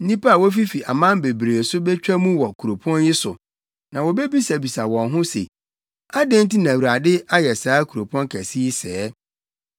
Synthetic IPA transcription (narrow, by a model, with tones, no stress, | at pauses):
n̩˦nĩ˦pa˦a˨wo˦fi˦fi˨a˨mã˦m˦be˨bɾe˨sʊ˦bɛ˦t͡ɕᶣa˦mũ˦wɔ˨kʰu˨ɾo˨pʰu˦ɔ̃˦njɪ˦sʊ˨ | nã˨wɔ˨be˦bi˦sa˨bi˨sa˨wɔ̃˨nɦʊ̃˦sḛ˨ | a˦dẽ˦n˦ti˦nã˨wɾa˨dɪ˦a˦jɛ˨saː˨˦kʰu˨ɾo˨pʰu˦ɔ̃˦nkʰæ˨si˦sɛː˦